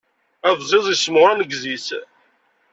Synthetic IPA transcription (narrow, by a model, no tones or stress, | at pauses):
æðzˤɪðˤismʁænəɡzis